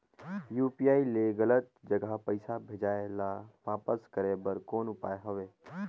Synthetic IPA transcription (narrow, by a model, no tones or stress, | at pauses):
juːpiaːileɣələt̪d͡ʒəɡʱapəɪsabʱeːd͡ʒaːelaʋaːpəskəɾebəɾkoːnʊpaːeɦoʋeː